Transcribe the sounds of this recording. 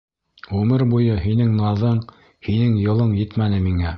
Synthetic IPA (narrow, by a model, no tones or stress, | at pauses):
ʉmɘɾbujɤɦinɘŋnɑðɤɴ | hinɘŋjɤ̆lˠɤɴjɘt̪mænɘmiŋæ